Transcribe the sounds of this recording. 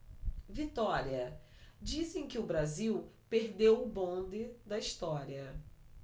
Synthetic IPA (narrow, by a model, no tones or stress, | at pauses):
vit̪ɔɾiɐ | d͡ʒisẽj̃kɪʊbɾaziwpeɾd̪ewʊbõnd̪ɪd̪ɐiʃt̪ɔɾiɐ